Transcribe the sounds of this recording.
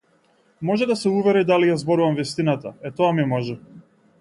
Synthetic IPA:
mɔʒɛd̪asɛuvɛɾid̪alijazbɔɾuvamvist̪inat̪aɛt̪ɔamiɛmɔʒɛ

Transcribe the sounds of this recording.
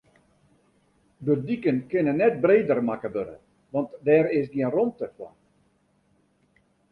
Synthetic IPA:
bədikənkɪnənːɛt̚breːdərmakəbøɾə̰ | ʋɑntdɛːɾɪsdiənrɔntəkwɔ̰n

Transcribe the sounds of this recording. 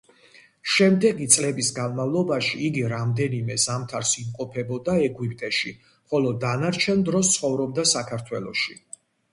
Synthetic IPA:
ʃɛmd̪ɛɡit̪sʼlɛbisɡanmavlˠɔbaʃiːɡiɾamd̪ɛnimɛzamt̪ʰaɾsimqʼɔpʰɛbɔd̪aɛɡwipʼt̪ʼɛʃi | χɔlɔd̪anaɾt͡ʃʰɛnd̪ɾɔst̪sʰχɔvɾɔb̚d̪asakʰaɾt̪ʰwɛlˠɔ̰ʃi

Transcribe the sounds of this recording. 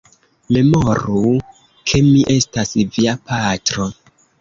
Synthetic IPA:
me̞mo̞ɾu | kʰe̞miʔe̞stasviapatɾo̞

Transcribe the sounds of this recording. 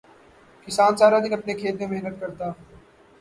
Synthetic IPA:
kɪsaːnsaːɾad̪ɪnɐpnekʰeːt̪ẽmɛɦnət̪̚kɐɾt̪aː

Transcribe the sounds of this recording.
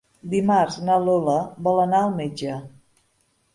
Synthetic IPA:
d̪imarznəloləbɔlənaəlˠmed͡ʒə

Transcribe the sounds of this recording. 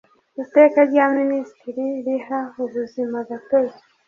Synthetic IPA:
mute̞ːkaɾɟaministiɾiɾihauβuzimaɡateja

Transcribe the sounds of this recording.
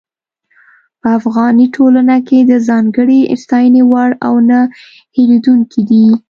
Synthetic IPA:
pəafɣɑniʈʰolanaked̪əzɑŋɡəɽist̪ɑjənewaɽawnə | helid̪uŋkʰid̪i

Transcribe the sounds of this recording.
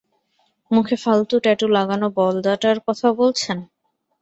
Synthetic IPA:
mukʰefalt̪uʈɛʈulaɡanobɔld̪aʈaɾkɔt̪ʰabolt͡ɕʰen

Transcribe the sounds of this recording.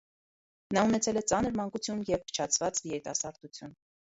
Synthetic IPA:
nɑunɛt͡sʰɛlɛt͡sɑnəɾmɑŋkut͡sʰjunjɛvkʰə̥t͡ʃʰɑt͡sʰvɑt͡svijɛɾit̪ɑsɑɾd̪ut͡sʰjun

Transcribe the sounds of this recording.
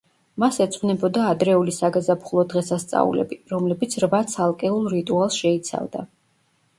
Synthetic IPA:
masɛt̪sʼqʼnɛbɔd̪aːd̪ɾɛulisaɡazapχulˠɔd̪ʁɛsast̪sʼa̰ṵlɛ̰biɾɔmlɛbit̪sʰɾvat̪sʰalˠkʼɛulˠɾit̪ʼualˠsʃɛit̪sʰa̰vd̪a

